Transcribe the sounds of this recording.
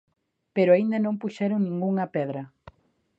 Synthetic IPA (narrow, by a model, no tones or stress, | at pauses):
peɾoaind̪ɐnõmpuʃɛɾoŋnĩŋɡuŋɐpɛðɾɐ